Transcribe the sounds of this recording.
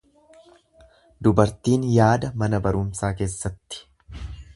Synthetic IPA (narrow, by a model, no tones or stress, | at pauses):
d̪ʊbɐɾt̪iːnjaːd̪ɐmɐnɐbɐɾʊmsaːke̞ːsːɐt̪ːɪ̥